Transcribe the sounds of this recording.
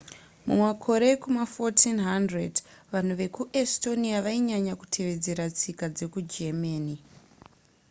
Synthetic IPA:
mṵmwakʰo̞ɾe̞kumafotʰinɦandred | ʋan̤uʋe̞kuʔesto̞niaʋaiɲaɲaku̥tʰe̞ʋe̞d͡ze̞ɾat͡sikad͡ze̞kud͡ʒemaːni

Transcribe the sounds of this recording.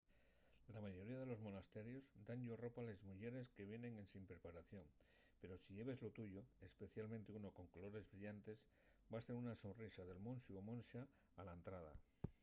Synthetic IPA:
lamaʝo̞ɾiaðe̞lo̞zmo̞nast̪e̞ɾjo̞zd̪anʎoro̞palezmuʝe̞ɾe̞ske̞β̞je̞ne̞ŋe̞nsimpɾe̞paɾaθjo̞ŋ | pe̞ɾo̞siʎe̞βe̞zlo̞t̪uʝo̞espe̞θjalmẽnt̪euno̞ko̞ŋkolo̞ɾe̞zβɾiʎant̪e̞s | bast̪enunaso̞nrisaðe̞lmõ̞nsjuomo̞nsaː | laent̪ɾað̞a̰

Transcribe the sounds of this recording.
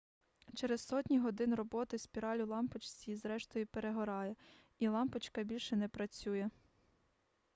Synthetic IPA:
t͡ʃɛɾezsɔtʲnʲiɦɔd̪ɪnrɔbɔt̪ɪspʲiɾɑlʲʊlˠɑmpet͡ʃsʲiizɾɛʃt̪ɔjipeɾeɦɔɾɑjɛ | ilˠɑmpet͡ʃkɐbʲilʲʃɛnɛpɾɐt͡sʲujɛ

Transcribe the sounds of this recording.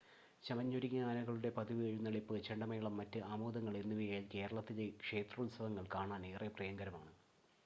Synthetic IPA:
t͡ɕɐmɐɲːoɾiɣʲɐaːnɐɣɐɭuɽe̞pɐd̪iʋɐɻunːɐɭipːɨt͡ɕeɳɖɐmɐjɐɭɐmːɐtːɨʔaːmoːd̪ɐŋːɐɭenːuʋijajlke̞ːɾɐɭɐt̪ːilekʂe̞ːt̪rɐulsɐʋɐŋːɐɭkaːɳaːneːreprɐjɐŋɡɐɾɐmaːɳɨ

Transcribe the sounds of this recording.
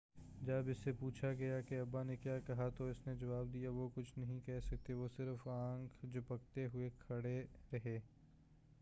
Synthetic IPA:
d͡ʒɐbɪsːepuːt͡ʃʰaɡɐjakeɐbːanekjaːkɐɦat̪oɪsned͡ʒɐʋaːbd̪ijaʋokʊt͡ʃʰnɐɦĩkɛɦsɐk̚t̪eʋosɪɾfãːŋkʰd͡ʒopɐk̚t̪eɦʊekʰɐɽeɾɐɦeː

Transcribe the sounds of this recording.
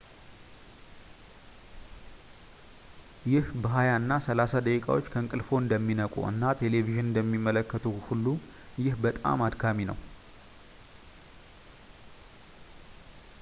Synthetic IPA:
jɪhbəɦajaɨnːasəlasad̪əkʼikʼa̰wo̞t͡ʃːkʰəɨŋkʼɨlfo̞ɨnd̪əmːinəkʼṵɨ̰nːat̪ʰe̞le̞viʒɨnɨnd̪əmːimːələkːət̪ʰuhulːu | jɪhbət̪ʼa̰mad̪kʰaminə̰w

